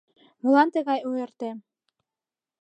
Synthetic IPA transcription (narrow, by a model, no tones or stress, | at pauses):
mulˠɑnt̪ɘ̆ɣɑjujɤ̆ɾt̪ɘ̆